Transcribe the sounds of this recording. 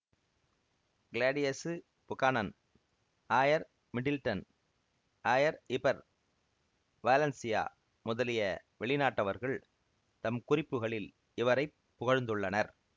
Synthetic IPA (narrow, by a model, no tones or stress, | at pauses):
ɡɪlaːɖɪjɐs | pʊkaːnɐn | aːjɐɾ | mɪɖɪlʈɐn | aːjɐɾɪpɐɾ | ʋaːlɐnsɪja̰ː | mʊðɐlɪjɐ | ʋɛɭɪnaːʈːɐʋɐɾɣɐɭ | t̪ɐmkʊrɪpːɯɣɐɭɪl | ɪʋɐɾɐɪpːʊɣɐɻnd̪ɯɭːɐnɐɾ